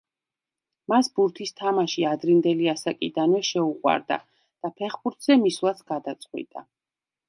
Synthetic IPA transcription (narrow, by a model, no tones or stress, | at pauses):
masbuɾt̪ʰist̪ʰamaʃiad̪ɾind̪ɛliasakʼid̪anvɛʃɛuqʼwa̰ɾd̪a̰ | d̪̥apʰɛχbuɾt̪ʰz̥ɛmislˠat̪sʰɡ̥ad̪at̪sʼqʼwḭt̪ʼa